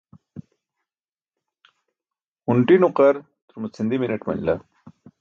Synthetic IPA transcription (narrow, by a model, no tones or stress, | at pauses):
huɳʈinuqɐɾ | t̪uɾmut͡sʰind̪iminɐʈmɐ̰nla